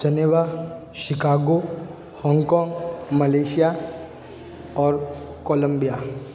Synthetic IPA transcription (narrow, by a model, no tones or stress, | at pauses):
d͡ʒɐneʋa | ʃɪkaːɡo | hɔ̃ːŋɡkɔːŋɡmɐleːʃija | ɔːɾ | koːlə̃mbija